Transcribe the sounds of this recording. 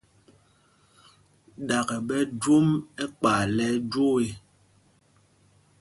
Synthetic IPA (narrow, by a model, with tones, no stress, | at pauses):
ɗa˨kɛ˨ɓɛ˦d͡ʒwo˦mɛ˦k͡pa˨lɛ˨˦d͡ʒo˦e˨